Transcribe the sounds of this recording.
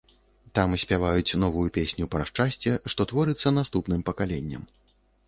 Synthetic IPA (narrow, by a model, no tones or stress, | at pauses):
t̪amsʲpʲavajut͡sʲnɔvujupʲesʲnʲupɾaʂt͡ʂasʲt͡sʲɛʂt̪ɔt̪vɔɾɨt̪sːɐnast̪upnɨmpɐkalʲenʲːɐ̰m